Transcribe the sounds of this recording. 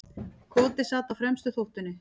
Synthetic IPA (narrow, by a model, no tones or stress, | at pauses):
kʰɔːt̪ɪsaːt̪awfɾɛmst̪ʏθowht̪ʏnːɪ